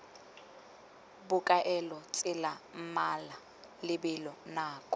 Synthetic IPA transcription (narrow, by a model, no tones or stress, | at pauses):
bʊkʼaʔɛlɔt͡sʼɪlam̩mala | lɪbɪlɔnaːkʼɔ